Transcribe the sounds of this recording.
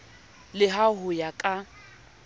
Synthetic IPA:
lɪɦaɦʊjakʼa

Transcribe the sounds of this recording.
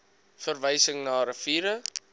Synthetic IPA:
fərvəjsəŋnɑːɾəfiːɾə

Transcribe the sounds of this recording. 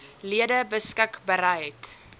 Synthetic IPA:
liədəbəskəkbəɾəjt

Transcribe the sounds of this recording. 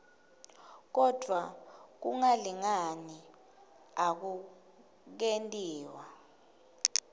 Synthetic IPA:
k̬ɔd̥ʱwak̬uŋaliŋani | ak̬u | k̬entʼiːwa

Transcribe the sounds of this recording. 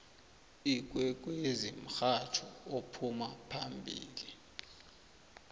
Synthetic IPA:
ik̬ʼwɛk̬ʼwezim̩xat͡ʃʰɔopʰumapʰambʱḭːli

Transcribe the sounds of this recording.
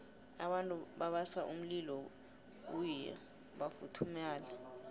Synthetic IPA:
aɓantʼuɓaɓasaʔum̩lilɔ | k̬ujɛ̰ | ɓafutʰumaːla

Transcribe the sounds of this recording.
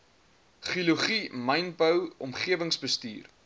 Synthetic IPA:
χiluχimɐjnbəwɔmχiəvəŋsbəstḭːr

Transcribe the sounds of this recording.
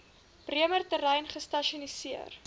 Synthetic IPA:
priəmərtəɾɛjnχəstɐʃiɔnisiər

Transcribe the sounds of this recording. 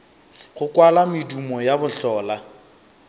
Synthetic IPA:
χʊkwalamɪdumɔjabʊɬɔːla

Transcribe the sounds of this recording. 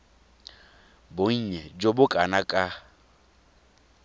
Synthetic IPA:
boŋ̩ɲɛd͡ʒobʊkʼanakʼa

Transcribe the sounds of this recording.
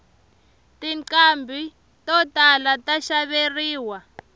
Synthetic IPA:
tiǀambʱi | tɔtalataʃaβeriːwa

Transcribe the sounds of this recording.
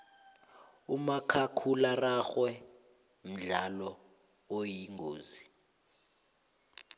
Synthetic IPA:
umakʰakʰularaxwɛ | m̩ɮalɔ | ojiŋʱoːzi

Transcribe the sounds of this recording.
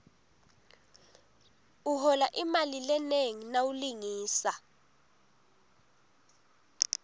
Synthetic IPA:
uhɔlaʔimalilɛneŋinawuliŋiːsa

